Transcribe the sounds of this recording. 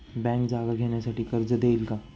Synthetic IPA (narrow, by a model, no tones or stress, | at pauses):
bɛ̃ːŋkd͡ʒaːɡaɡʱeːnesɐʈikɐɾd͡ʒɐd̪eːlka